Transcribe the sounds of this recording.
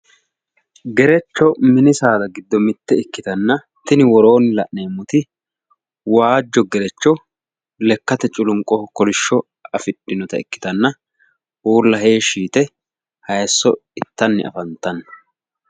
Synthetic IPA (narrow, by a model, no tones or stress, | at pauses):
ɡɛɾɛt͡ʃːɔmɪnɪsaːd̪ɐɡɪd̪ːɔmɪt̪ːɛɪkːɪt̪ɐnːɐ | t̪ɪnɪwɔɾo̞ːnɪlɐʔne̞ːmːʊt̪ɪ | waːd͡ʒːɔɡɛɾɛt͡ʃːɔ | lɛkːɐt̪ɛt͡ʃʼʊlʊŋkʼːɔkɔlɪʃːɔ | ɐfɪɗːɪnɔt̪ɐɪkːɪ̥t̪ɐnːɐ | ʔuːlːɐɦe̞ːʃiːt̪ɛ | hɐjsːɔ̰ɪt̪ːɐnːɪ̰ʔɐ̰fɐnt̪ːɐnɐ